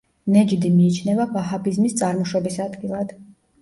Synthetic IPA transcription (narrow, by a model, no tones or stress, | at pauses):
nɛd͡ʒd̪imiːt͡ʃʰnɛvabaɦapʰizmist̪sʼaɾmɔʃɔbisad̪ɡilˠad̪̥